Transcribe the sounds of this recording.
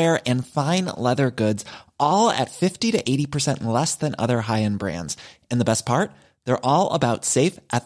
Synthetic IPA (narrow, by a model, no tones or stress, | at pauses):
ɹɨ̃nfãɪ̃nlɛðə˞ɡʊdzʔɔlˠɨ̰tfɪftiɾɨʔeɪɾipʰə˞sɛ̃nʔlɛsðɨ̃nʌ̰ðə˞ɦaɪɨ̃nbɹæ̰̃ndz̥ɨ̃nðəbɛs̚pʰɑɹt̪̚ | ðə˞ʔɔlˠə̰baʊtseɪfʔɨt